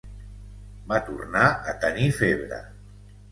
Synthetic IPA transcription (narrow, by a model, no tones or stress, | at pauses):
mat̪ṵrnaət̪ənifeβɾə̰